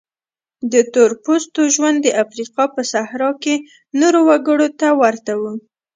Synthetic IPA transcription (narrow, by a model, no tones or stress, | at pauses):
d̪ət̪oɾpost̪oʒwand̪ːəʔafɾiqɑpəsahɾɑke | noɾowaɡəɽot̪awaɾt̪awu